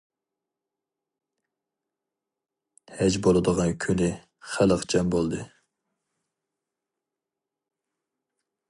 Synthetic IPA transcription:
hɛd͡ʒbolˠɨd̪əʁɑnkʲʰynɪ | χæləqd͡ʒɛmbolˠd̪ɨ

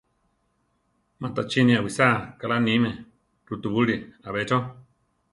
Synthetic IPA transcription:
mãt̪at͡ʃinĩawisakalanĩmẽ | ɾut̪uβuɺiaβet͡ʃo

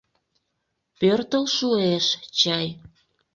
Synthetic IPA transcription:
pørt̪əlʃueʃt͡ɕɑj

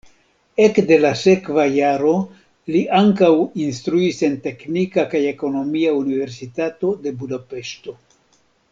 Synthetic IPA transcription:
e̞kde̞lase̞kvajaɾo̞ | liʔaŋkawinst̪ɾuise̞nte̞knikakaje̞ko̞no̞miaunive̞ɾsitato̞de̞budape̞ʃto̞

